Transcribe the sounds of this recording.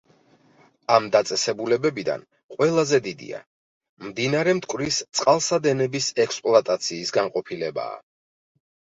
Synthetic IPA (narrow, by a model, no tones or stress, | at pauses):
amd̪at̪sʼɛsɛbulɛbɛbid̪a̰n | qʼwɛlˠazɛd̪id̪ḭa̰ | md̪inaɾɛmt̪ʰkʼvɾist̪sʼqʼalˠsad̪ɛnɛbisɛkspʼlˠat̪ʼat̪sʰiːsɡaŋqʼɔpʰilɛba̰ː